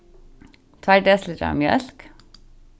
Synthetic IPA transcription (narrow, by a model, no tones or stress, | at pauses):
t̪ʰʋæɖeːsləɾɑ̰ːmjœ̰lk